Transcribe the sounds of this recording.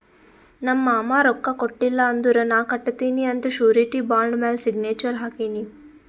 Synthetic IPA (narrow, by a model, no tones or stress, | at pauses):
nɐmːɐːmaːɾɔkːɐkoʈːilːɐːnd̪uɾɐnaːkɐʈːt̪ːiːniɐnt̪uʃuːɾiʈibaːɳɖmeːlsiɡneːt͡ʃɐɾɦaːkiːni